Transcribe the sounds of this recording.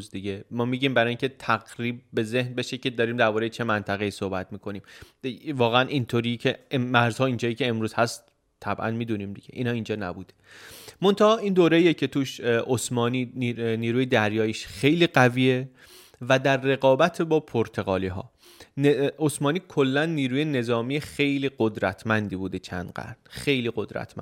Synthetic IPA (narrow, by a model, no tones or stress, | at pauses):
zd̪iɟemɒːmiːɟiːmbæɾɒːjiŋcʰet̪ʰæɣɾiːb̚ːe̞ze̞hnbe̞ʃeced̪ɒːɾiːmd̪æɾbɒːɾejet͡ʃʰe̞mænt̪ʰæɣe̞iːso̞hbæt̪miːkʰoniːm | vɒːɣeænʔint̪ʰoɾiːcʰemæɾz̥hɒːind͡ʒɒːjiːcʰe̞ːmɾuːz̥hæst̪ | t̪ʰːæbʔæ̰nmiːd̪uniːmd̪iɟeʔḭːnhɒːind͡ʒɒːnæ̰buːd̪e | mo̞nt̪ʰɑɒːind̪oːɾeijecʰe̞t̪ʰuːʃosmɒːniːniːɾuːjed̪æɾjɒːjiʃxe̞jliːɢæviːe | væd̪æɾːe̞ɣɒːbæt̪ʰebɒːpʰoɾt̪ʰe̞ɣɒ̰ːliːɦɒ̰ː | osmɒːniːkʰolːænːiːɾuːje̞ne̞zɒːmijexe̞jliːɡod̪ɾæt̪ʰmænd̪iːbuːd̪et͡ʃʰæ̰nd̪ɡæ̰ɾnxe̞jliːɡo̞d̪ɾæ̰t̪ʰmæ̰n